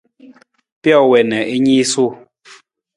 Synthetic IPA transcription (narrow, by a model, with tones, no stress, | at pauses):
pjɔ˦˨wɛ˨nɛ˨ʔe˦ɲi˦su˦˨